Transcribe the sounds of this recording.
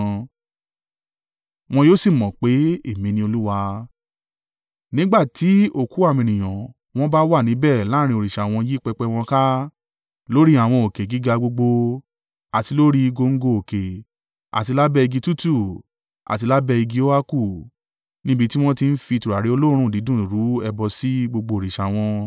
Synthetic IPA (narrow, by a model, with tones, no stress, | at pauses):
w̃ɔ̃˧joː˦si˦˨mɔ̃˨k͡pe˨˦e˦˨mĩ˧nĩ˧˦o˧lu˦wa˧ | nĩ˦ɡ͡ba˦˨ti˨˦o˦˨ku˨˦a˦˨mĩ˧˨ñĩ˨j̃ã˨ | w̃ɔ̃˦ba˦wa˦˨nĩ˨˦bɛ˦˨la˨˦ɾ̃ĩ˧o˨ɾi˨ʃa˨w̃ɔ̃˧ji˦k͡pɛ˧k͡pɛ˧w̃ɔ̃˧ka˦ | lo˦ɾi˦a˦˨w̃ɔ̃˧o˨ke˨ɡi˨˦ɡa˧ɡ͡bo˧ɡ͡bo˧ | a˨ti˧lo˦ɾi˦˧ɡo˧ŋ̩˦ɡo˧o˨ke˨ | a̰˨ti˧la˦bɛ˦˧i˧ɡi˧tu˦tu˦˨ | a̰˨ti˧la˦bɛ˧i˧ɡi˦o˦a˦ku˦˨ | nĩ˦bi˦˧ti˦w̃ɔ̃˦ti˧n̩˦fi˧tu˨ɾa˨ɾi˨˦o˧lo˦ɾ̃ũ˦˨di˨˦dũ˦˨ɾu˨˦ɛ˧bɔ˧si˦ɡ͡bo˧ɡ͡bo˧o˨ɾi˨ʃa˨w̃ɔ̃˧